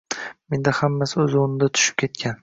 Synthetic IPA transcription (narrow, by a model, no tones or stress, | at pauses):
me̞nd̪ahamːasɪɵzonɪd̪at̪ʰʊ̥ʃɪ̥p̚kʲʰe̞t̪̚kʲʰan